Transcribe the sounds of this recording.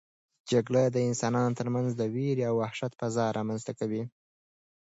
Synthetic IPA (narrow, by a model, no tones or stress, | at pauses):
d͡ʒaɡɽad̪əɪnsɑnɑnot̪əɾmanzd̪əweɾawːahʃat̪̚pazɑɾʔɑmanzt̪akawi